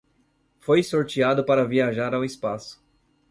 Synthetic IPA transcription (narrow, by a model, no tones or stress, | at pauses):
fojsoɾt͡ʃiad̪ʊpaɾɐviaʒaɾawɪspasʊ̥